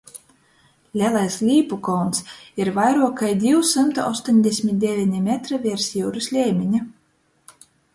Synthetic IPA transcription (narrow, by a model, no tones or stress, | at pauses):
lʲælˠajslʲiːpukɔwnsiɾvajɾuɔkajd̪ʲiwsɨmt̪uɔst̪onʲd̪ʲesʲmʲit̪̚d̪ʲɛvʲinʲimʲɛt̪ɾɨvʲiɛɾsjuːɾɨslʲɛːmʲiɲʲi